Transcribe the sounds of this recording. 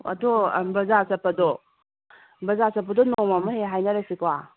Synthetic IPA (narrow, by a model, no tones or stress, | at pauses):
ɐ̰dɔbɐzasɐpːɐdɔ | bɐzasɐp̬ːɐdɔnɔmamɐɦeɦajnɐɾesikwa